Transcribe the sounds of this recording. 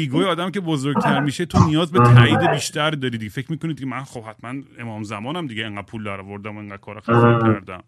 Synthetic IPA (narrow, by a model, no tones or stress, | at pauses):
iːɡɒːjeɒːd̪æmcʰe̞bozoɾɡ̚t̪ʰæɾmiːʃet̪ʰonijɒːzbet̪ʰæiːd̪ebiːʃt̪ʰæɾd̪ɒːɾiːd̪iɟefe̞cʰmiːkonid̪icʲemænχob̥hæt̪ʰmæne̞mɒːmzæmɒːnæmd̪iɟeeŋɡæd̪̥̚pʰuːld̪æɾɒːvo̞ɾd̪æmoeŋɢæd̪̥̚kʰɒːɾɒxæsæɾd̪æ̰m